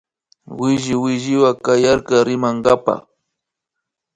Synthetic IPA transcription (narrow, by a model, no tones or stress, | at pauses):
wɪʒɪwɪʒɪwakajaɾkaɾɪmaŋɡapa̰